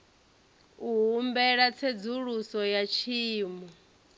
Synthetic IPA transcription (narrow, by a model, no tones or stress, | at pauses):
uɦumbɛɺat͡sʰed͡zuɺusɔjat͡ʃʰiːmɔ